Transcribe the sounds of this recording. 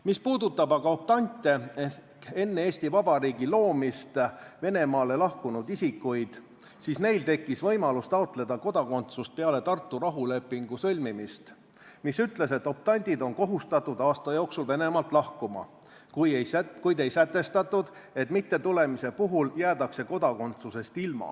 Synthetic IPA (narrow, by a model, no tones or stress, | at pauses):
mispuːd̪ut̪ːˑɑbɑɡ̥ɑop̚t̪ɑnʲt̪ːˑeeke̞nːeeːsʲt̪ivɑbɑɾiːɡilo̞ːmist̪ve̞ne̞mɑːle̞lɑhkunud̪̥isikːˑujd̪̥ | siːsne̞jlt̪e̞kːˑisvɤ̞jmɑlust̪ɑot̪ˑle̞d̪̥ɑko̞d̪̥ɑko̞nt̪sust̪̚pe̞ɑle̞t̪ɑrt̪ːurɑɦule̞pːˑiŋɡ̥usɤ̞lʲmimist̪ | misyt̪le̞se̞t̪ːˑo̞p̚t̪ɑnʲd̪̥ʲid̪o̞nko̞ɦust̪ɑt̪ːˑud̪̥ɑːst̪ɑjo̞ːksulve̞ne̞mɑlt̪ˑlɑhkumɑ̰ | kujejækujd̪e̞jsæt̪ːˑe̞st̪ɑt̪ːˑud̪̥e̞t̪mit̪ːe̞t̪ule̞mise̞puɦuljæːt̪ɑkse̞ko̞d̪̥ɑko̞nt̪suse̞st̪ilmɑ̰